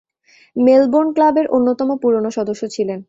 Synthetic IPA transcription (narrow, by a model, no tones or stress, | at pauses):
melboɾnklabeɾʔonːot̪ɔmopuɾonoʃɔd̪oʃːot͡ɕʰilen